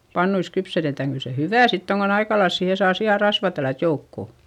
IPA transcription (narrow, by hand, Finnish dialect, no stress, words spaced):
pɑnːuis kypsetetæŋ kyl se hyʋæˑ sitː oŋ kon ɑikɑlɑils siːhe sɑː siɑ rɑsʋɑˑ tælːæt joukːo